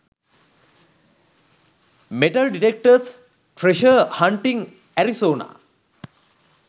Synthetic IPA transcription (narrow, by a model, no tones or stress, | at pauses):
meʈɐlɖiʈek̚ʈəs | ʈɾeʃəhaɳʈiŋ | æɾisoːna̰ː